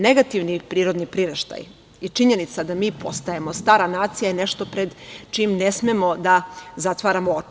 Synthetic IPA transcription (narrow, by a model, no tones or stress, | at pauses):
ne̞ɡat̪iʋnipɾiːɾo̞d̪nipɾiɾeʃt̪a̰j | it͡ʃiɲe̞nit̪sad̪amiːpo̞st̪aje̞mo̞st̪aːɾanaːt̪sijajene̞ʃt̪o̞pɾed̪t͡ʃimne̞smemo̞d̪azat̪ʋaːɾamoo